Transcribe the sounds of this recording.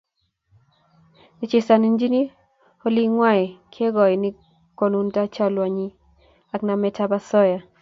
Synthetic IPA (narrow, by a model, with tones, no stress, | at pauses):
nɪ˨t͡ʃe˨sa˨ni˦nd͡ʒi˦ni˦ | o˦li˦ŋwa˦ɪ˨kʰe˦ɡɔ˨ɪ˨nɪ˦ | ko˨nu˦nta˦t͡ʃa˦lwa˨ɲi˦ | a˨kna˨mɛ˦tʰa˦ba˦sɔ˦ja˨